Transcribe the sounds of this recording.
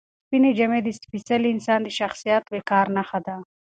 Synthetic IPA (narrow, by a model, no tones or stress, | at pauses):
pined͡ʒamed̪ispisaliɪnsɑːnd̪eʃaxsijat̪bekɑːɾnaxad̪a